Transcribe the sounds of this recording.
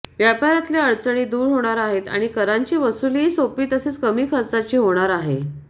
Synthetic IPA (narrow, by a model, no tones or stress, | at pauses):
ʋjapaɾat̪ljeəɭt͡səɳ̃iːd̪uːɾɦoɽ̃aɾaɦet̪a̰ɽ̃ikəɾaɲt͡ɕiːʋəsuliːsopiːt̪əset͡skəmiːkʰəɾt͡sat͡ɕiːɦoɽ̃aɾaɦe